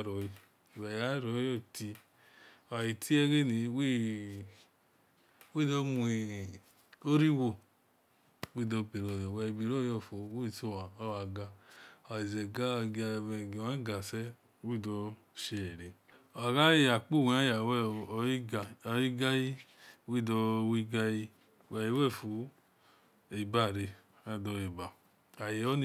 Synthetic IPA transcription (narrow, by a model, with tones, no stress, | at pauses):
ɾo˨ji˨˧˨ | wa˨ja˦ɾo˨˦jo˦˨ti˧ | o˨wa˨ji˨tʰi˦e˦ɡe˦˨ni˨˦we˦ | we˦˨do˦mu˨i˨ | o˦ɾi˦wo˦˨ | wi˦˨do˧bi˨ɾo˦˨jɔ˨we˧˨bi˨ɾo˦˨jo˧˨fo˨˦we˦˨so˦˨wa˨o˦wa˨ɡa˧˨a˨i˨ze˨ɡa˦˧ɡe˧˨ɡi˨a˦ɡa˨sɛ˦ | wi˦˨dɔ˧ | ʃe˧˨e˨ɾe˨ | o˨a˨ɡa˦e˦˨ja˨k͡pu˦˨wa˦a˨wi˦ɡa˧˨ji˦ɡa˦ji˦wi˦˨dɔ˧wi˦ɡa˧ji˧˨ | wa˨ji˦wɛ˦˨fu˨ | e˨ba˦˨ɾe˧ | a˦˨dɔ˧e˨ba˨ | a˨je˨o˦n˦